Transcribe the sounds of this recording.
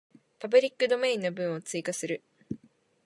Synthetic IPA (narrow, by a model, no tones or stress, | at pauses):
pabɯ̟ɾʲikːɯ̟d̪o̞me̞ĩnːobɯ̟̃ɰ̃o̞t͡sɨikasɨɾɯ̟